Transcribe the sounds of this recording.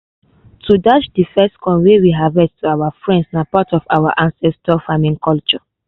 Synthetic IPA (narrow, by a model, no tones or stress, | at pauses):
tʰudat͡ʃdifɛstkʰɔ̃nwewiɦavɛdtuawafɹɛ̃ndsnapatɔfawaʔãnsɛstɔfamĩŋkɔlt͡ʃɔ